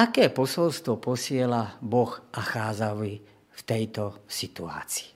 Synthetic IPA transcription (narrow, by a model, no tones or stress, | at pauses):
akɛːpɔsɔlst̪ʋɔpɔsɪɛlabɔxaxaːd͡zaʋi | ft̪ɛjt̪ɔsit̪ua̰ːt͡si̥ː